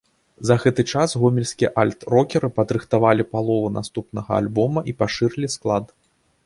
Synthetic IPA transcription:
zɐɣɛt̪ɨt͡ʂasɣɔmʲilʲsʲkʲijɐʔalʲt̪rɔkʲɛɾɨpɐd̪ɾɨxt̪avalʲipalˠɔvuna̰st̪upnɐɣɐa̰lʲbɔmɐʔipaʂɨrlʲisklˠat̪

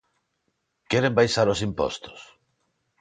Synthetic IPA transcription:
kɛɾembajsaɾosimpɔ̰st̪o̥s

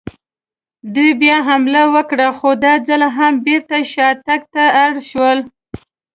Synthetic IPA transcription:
d̪ujbjɑɦamlawəkɽaxod̪ɑd͡zalaɦambeɾt̪aʃɑt̪ak̚t̪aːɽʃwəl

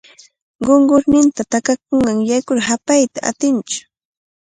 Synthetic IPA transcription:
ɢoɴɢʊɾnɪnt̪at̪akak̚oɴɢɑŋjajkʊɾhapajt̪aʔa̰t̪ɪnt͡ʃʊ̥

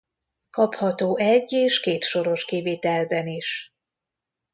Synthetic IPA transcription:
kɒphɒt̪oːʔɛɟːeːʃkeːt̪ʃo̞ɾo̞ʃkiveːt̪ɛlbɛniʃ

